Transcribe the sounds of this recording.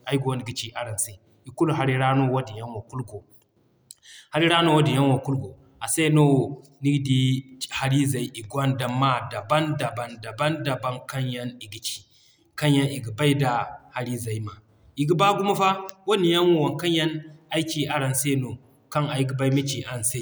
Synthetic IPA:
a˨i˦ɡu˨wo˨n˨ɡi˨t͡ʃi˨ʔa˨ɾa˨nse˨ | i˨ku˦lɦa˨ɾi˦ɾa˦no˦wa˦di˨ja˦nwo˨ku˦lɡo˨ | ha˨ɾi˦ɾa˦no˦wa˦di˨ja˦nwo˨ku˦lɡo˨ | a˨sa˦no˦˨ | ni˦ɡdi˦ha˦ɾi˦za˨i˨ʔi˨ɡwa˦nda˨mːa˦da˨ba˦nda˨ba˨nda˨ba˦nda˨ba˦nka˦nja˦ni˨ɡi˨t͡ʃi̥˨ | ka˦nja˦ni˨ɡi˨ba˦i˦da˨ha˦ɾi˦za˨i˦ma˨ | i˨ɡi˦ba˦ɡu˦ma˦fa˦wo˦ni˨ja˦nwo˦wa˨nka˦n˦ja˦na˦i˦t͡ʃi˦ʔa˦ɾa˨nse˦no˨ | ka˦na˨ji˦ɡi˨˦ba˦i˦mi˦t͡ʃi˨a˦˨nse˦˨

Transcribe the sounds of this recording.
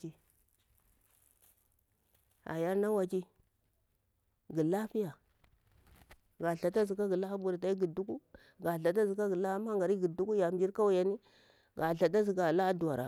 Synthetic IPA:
i˦ | a̰˨ja˦ɾna˦wa˨t͡ʃi˦ | ɡi˨la˦fi˦ja˨ | ɡa˨ɬa˨ta˦zi˨ka˦ɡi˨la˦bu˦˨ɾta˦i˦ɡi˨du˦ku˦ | ɡa˨ɬa˨t̬a˦zi˨ka˦ɡi˨la˦a˦ma˦ŋɡa˨ɾi˦ɡi˨du˦ku˦ja˨m˨d͡ʒi˦ɾka˦wu˦ja˨ni˦ | ɡa˨ɬa˨ta˦zi˨ɡa˨la˦du˨a˨ɾa̰˨

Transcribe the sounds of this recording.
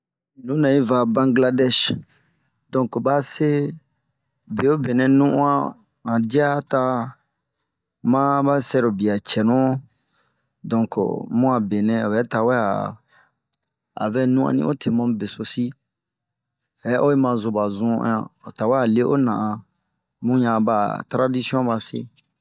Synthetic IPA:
nũ˨˦nã˨i˦va˨bã˦ŋɡla˦dɛ˦ʃ | dɔ̃˦ŋkba˦se˦ | be˨o˦be˨nɛ̃˨nũ˦ʔã˦ | ã˨di˦a˦ta˧ | mã˦ba˦sɛ˦ɾo˨bi˨a˨t͡ʃɛ˨nũ˦ | dɔ̃˨ŋko̰˨mũ˦a˨be˨nɛ̃˦o˨bɛ˨˦ta˨wɛ˦a̰˨ | a̰˨vɛ˦nũ˦a̰˨nḭ̃˦o˦tʰe˨mɔ̃˦˨be˨so˨si˦ | hɛ˨˦ʔo˦e˦mã˨zo˨ba˨zũ˦ã̰˦ã̰˨o˨ta˨wɛ˦a˨le˦ʔo˦nã˨ʔã˨ | mũ˦jã˨ba˨tɾa˦di˦si˦ɔ̃˦ba˨sḛ˦

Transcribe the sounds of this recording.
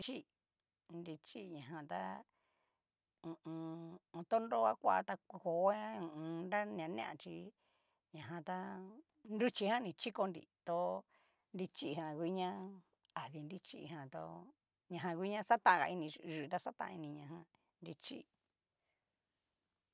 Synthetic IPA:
t͡ʃi˦ | ndi˧t͡ʃi˦ɲã˨ɦã˧t̪a̰˦ | ũ˧ʔũ˧t̪o˦ndo˦a˦kʷa˦a˧t̪a˧ko˨˧˦ã˦ũ˧˨ʔũ˧nɾa˦ñ˧ã˧nḛ̃˦ʔã̰˧t͡ʃi˧ | ɲã˨ɦã˧t̪a˦ | ndu˦t͡ʃi˧hã˦nĩ˧˨t͡ʃi˦ko˧ndḭ˨t̪o˦ | ndi˧t͡ʃi˦˧ɦã˧kʷi˦ɲã˦ | a˨ði˧ndi˦t͡ʃḭ˦˧ɦã˧t̪o̰˧ | ɲã˧ɦã˧k̬ʷi˦ɲã˦sa˦t̪ã˧ʔã˧a̰˧i˧nĩ˧ʒɨ˧˨˧t̪a˦sa˦t̪ã̰˧ʔã˧i˧nĩ˧ɲã˧ɦã˧ | ndi˧t͡ʃḭ˦

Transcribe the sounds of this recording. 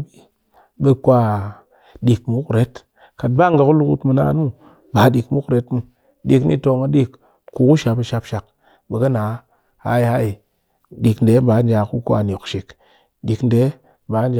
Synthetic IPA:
bi˦ | ɓe˨kʷa˦ | ɗi˨kmu˦kɾe˦t | ka˨tba˦˨ŋɡa˨ku˦lu˦ku˦tmu˨na̰˨˦nu˦ | ba˨˦ɗi˨kmu˦kɾe˨˦tmu˨ | ɗi˨knḭ˦to˧ŋa˦ɗi˦k | ku˨ku˦ʃa˨pi˨ʃa˧pʃa˨k̚ | ɓe˨ɡə˦na˨˦ | ha̰˦i˨ha˦i˨ | ɗi˨knde˨˦ba˨˦n˦d͡ʒa˨ku˦kʷa̰˨n˨o˨kʃi˨k | ɗi˨knde˦ | ba˨˦nd͡ʒ

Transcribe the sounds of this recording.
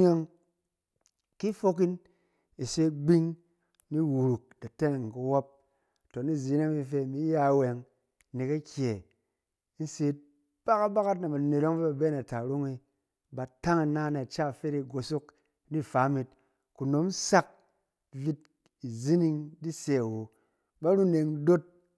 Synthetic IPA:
e˦ŋ | ki˦fo˧ki˦n | i˨se˦ɡ͡bi˦ŋ | ni˦wu˨ɾu˨k̚da˨te˦ne˨ŋ˨ku˧wo˦p̚ | to˨ni˦˨zi˨˦ne˦ŋ˦i˦˧fe˧˨mi˦ja˦˨we˨ŋ˦ | ni˨ka˦kʲe˨˦ | n̩˦se˧˦t̚ | b̥a˦ka˦ba˦ka˦t̬na˨ba˨ne˨ɾo˦ŋvi˦ba˨be˦na˨ta˨ɾo˦ŋi˧ | ba˨ta˦ŋi˧˨na˦na˨t͡ʃa˦˨fe˦ɾi˧˨ɡo˨so˦k | ni˦˨fa˨˦mi˧t̚ | ku˨no˨˦m˦sa˦k̚ | vi˧˦t̚ | i˨zi˦ni˧ŋdi˦se˦a˨wo˨˦ | ba˦ɾu˦ne˧ŋ˦do˦t̚

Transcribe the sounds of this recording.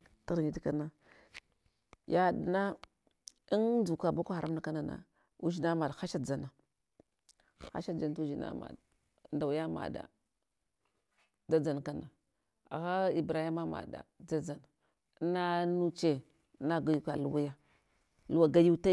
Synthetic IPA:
ta˦ɾɲi˨˦di˦ka˦na˦ | ja˦˨di˨na˦ | i˦nd͡zu˨ka˨ba˦kʷa˦xa˨ɾʔa˦mna˦ka˦na˨na̰˨ | u˦d͡ʒi˦na˦ma˨dxa˦ʃa˦d͡za˨na˨ | xa̰˦ʃa˦d͡ʒa˨n˦tu˦d͡ʒi˨na̰˦ma̰˨d | nda˨wja˦ma̰˨da̰˨ | d͡za˦d͡za˨nka˦na˨ | a̰˨ɣa˦i˨bɾa˨i˦ma˦ma̰˨da̰˨d͡za˦d͡za˨n˦ | na˦nu˦t͡ʃe˦ | na˦ɡa˨ju˦ka˨lu˦wa˦ja˦ | lu˦wa˨ɡa˦ju˦ta˦

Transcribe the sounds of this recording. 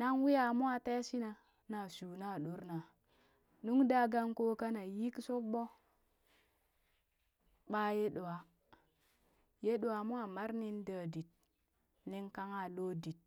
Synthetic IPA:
na˦ŋwi˦ja˨mu˦a˦˨te˦si˦na˨ | na˨su˨na˦˨ɗo˨˦ɾna˨ | nu˦ŋda˦ɡa˦ŋko˦ka˦na˨ji˦kso˦ɓo˦ | ɓa˦je˦ɗo˨a˨ | je˦ɗo˨a˨mu˦a˨ma˦ɾni˦ndə˨di˨t̚ | ni˦ŋka˦ŋa˨lo˦di˨t̚

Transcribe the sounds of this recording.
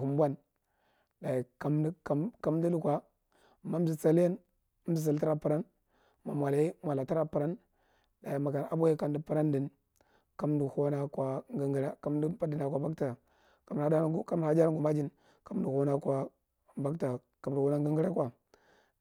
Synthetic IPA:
u˨m˦bʷa˦n | da˨i˨ka˨˦m˦˨ka˦m˦di˦lu˦kʷa˦ | ma˨˦m̩˦zi˨t͡sa˦lja˦n˦ | m̩˦zi˨t͡s̬a˨lta˦ɾa˨pu˨ɾa˦n | ma˨mʷ˨a˨la˨i˦mʷ˨a˨la˨ta˦ɾa˨pə˨ɾa˦n | da˨ji˨ma˨ka˨na̰˨bo˦ja˦ka˨ndi˦pu˨ɾa˦ndi˨n | ka˦mdi˨ho˦na˦kwa˨ŋɡa˨ŋɡi˦ɾa˦ka˦mdi˦pa˦di˨na˨kʷa˨ba˦kta˨ | ka˦m˦˨a˦ka˦m˦˨a˨˦d͡ʒa˦ɾŋɡu˨ma˦d͡ʒi˦n | ka˨˦m˦du˨ho˦na˦kʷa˨ | ba˦kta˨ | ka˨m˨du˨ho˦na˦ŋɡa˦ŋɡi˦ɾa˦kʷa˨

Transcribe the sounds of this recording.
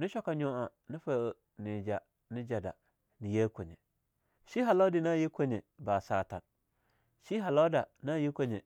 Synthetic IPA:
nɪ̃˦ɕɔ˦ka˨ɲɔ̃˦ã˨ | nɪ̃˦fa˨˦˨o˨ | nɪ̃˨d͡ʒa˨ | nɪ̃˦d͡ʒa˨da̰˨ | nɪ̃˨jɛ˦kʰɔ˨ɲɛ̰̃˨ | ʃi˦ɦa˨lɔ˦dɪ˨nã˦jɛ˦kʰɔ˦ɲɛ̃˨baː˨saː˨tʰa̰˨n | ʃi˦ɦa˨lɔ˦da˨nã˦˨jɛ˦kʰɔ˦ɲɛ̰̃˨

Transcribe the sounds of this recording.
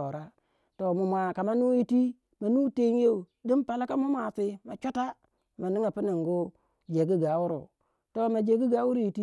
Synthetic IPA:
o˨ɾa˦ | to˨mu˨mʷa˨ka˨ma˦nu˦ji˦ti˦ | ma˨nu˦te˦n˦je˦u˨di˦npa˨la˦ka˦mu˦m˦a˨si˦ma˨t͡ʃu˦ta˦ | ma˨ni˦ŋa˨pi˦ni˨ŋɡu˦ | d͡ʒe˨ɡi˦ɡa˨˦wu˦ɾṵ˨ | to˨ma˨d͡ʒe˨ɡi˦ɡa˨˦wu˦ɾu˦ji˨ti˦

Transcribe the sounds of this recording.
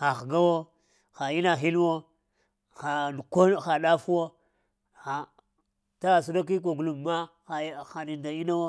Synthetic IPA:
xa˨xɡa˦wo˦ | xa˨i˦na˨xi˦lwo˦ | xa˨n˨ko˦˨xa˨ɗa˦fu˦wo˦ | xa˨ | ta˦˨s̬u˦da˦k̬i˦k̬o˨ɡu˨lu˨ma˦ | xa˨˦xa˨ni˨nda˨i˦na˦wo˦

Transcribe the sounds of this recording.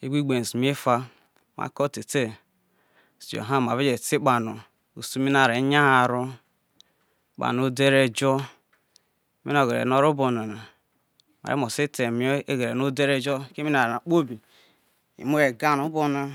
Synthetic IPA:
ḛ˦bʷi˦ɡ͡be˨n˨si˨m˦e˦fa˦ | ma̰˨˦ko˦˨te˨te˦˨ | sd͡ʒo̰˨ɦa˦˨m˨a˨ve˦d͡ʒe˨ti˦k͡pa˨no˨ | o̰˨su˦mi˦na˨ɾe˨˦ɲa˦a˨ɾo˦ | k͡pa̰˨no˦de˦ɾe˦d͡ʒo˦ | me˦o˨ɡe˨ḛ˨no˦ɾo˦bo˨na˨na˨ | ma̰˨ɾḛ˦mo˨si˦te˨m˨˦o˦e˦ɡe˨ɾe˨no˦de˦ɾe˦d͡ʒo˦ke˦mi˦na˨na˨k͡po˦bi˨ | ḭ˨mo˦e˨ɡa˦nu˨˦bo˦na˨

